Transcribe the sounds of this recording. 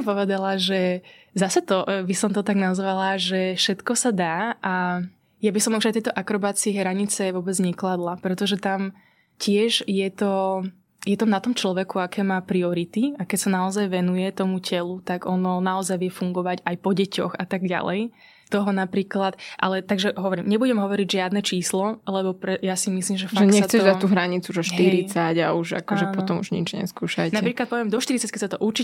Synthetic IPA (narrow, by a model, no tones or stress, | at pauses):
mpɔʋɛd̪alaʒɛ | zasɛt̪ɔbisɔmt̪ɔt̪aɡnazʋalaʒɛfʃɛt̪kɔsad̪aːʔa | jabisɔmuʒajt̪ɛjt̪ɔʔakɾɔbaːt͡siːɦɾaɲit͡sɛʋʊɔbɛd͡zɲɛklad̪lapɾɛt̪ɔʒɛt̪am | cɪɛʒjɛt̪ɔ | jɛt̪amnat̪ɔmt͡ʃlɔʋɛkuakɛːmaːpɾiɔɾit̪iakɛcsanaɔzajʋɛnujɛt̪ɔmucɛlut̪aɡɔnɔnaɔzajʋɪɛfuŋɡɔʋaɟajpɔɟɛcɔ̰xat̪aɡɟa̰lɛj | t̪ɔɦɔnapɾiːklat̪ʔa̰lɛt̪aɡʒɛɦɔʋɔɾimɲɛbuɟɛmɦɔʋɔɾiɟʒɪad̪nɛt͡ʃiːslɔlɛbɔpɾɛjasimisliːmʒɛfaɛɲɛsatt͡sɛʒd̪at̪uːɦɾaɲit͡suʒɔʃtɦ̪iɾit͡saɟauʒa̰kɔʒɛpɔt̪ɔmṵʒɲḭd͡ʒɲɛ̰skuːʃajnapɾiːklat̪pɔʋɛmd̪ɔʃt̪iɾit͡sackɛcsat̪ɔʔuɾt͡ʃi